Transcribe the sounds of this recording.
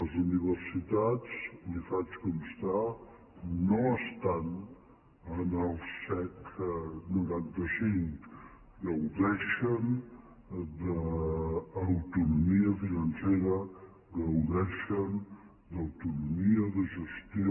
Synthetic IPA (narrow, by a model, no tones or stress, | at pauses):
əzuniβəɾsit̪at͡slifat͡ʃkoməst̪a | noəst̪an | ənəlˠsɛknuɾant̪əsiŋk | d̪əwðɛʃən | d̪əː | wt̪unumiəfinənseɾə | dəwðɛʃən | d̪əwt̪unumiəðəʒəst̪jo